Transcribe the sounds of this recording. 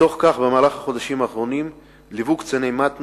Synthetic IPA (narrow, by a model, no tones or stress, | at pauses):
o̞χkaχbemaːlaχaχo̞d̪aʃimaːχʁo̞nim | livukt͡senejmat̪